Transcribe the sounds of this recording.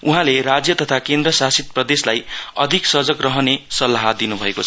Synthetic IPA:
uɦãleɾad͡zjʌt̪ʌt̪ʰakend̪rʌsasit̪̚prʌd̪eslajʌd̪ʱiksʌd͡zʌkrʌɦʌnesʌlːaɦad̪inubʱʌekot͡sʰʌ

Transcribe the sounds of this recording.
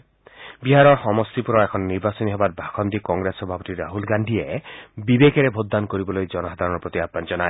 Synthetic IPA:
biɦaɾɔɾxɔmɔst̪ipuɾɔekʰɔnːiɾbasɔniɦɔbatbʱakʰɔnd̪ikɔŋɡɾesɔbʱapɔt̪iɾaɦulɡaɳɖʱiebibekeɾebʱod̪ːankoɾibɔlojd͡ʒɔnɔɦad̪ʱaɾɔnɔɾpɾot̪iabmand͡ʒɔnaj

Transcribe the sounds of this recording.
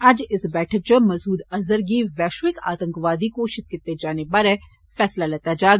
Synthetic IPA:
ad͡ʒɪsbɛːʈʰək̚t͡ʃəmɐzuːd̪ɐzəɾɡiʋɛːʃʋɪka̰ːt̪ə̃ŋkʋaːd̪ikoʃɪt̪̚kɪt̪ːed͡ʒaːnebaɾɛ | fɛːslalɛt̪ad͡ʒaːɡ

